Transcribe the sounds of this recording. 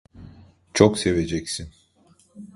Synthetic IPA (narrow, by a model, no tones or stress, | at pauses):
t͡ʃʰokse̞ve̞d͡ʒɛcsin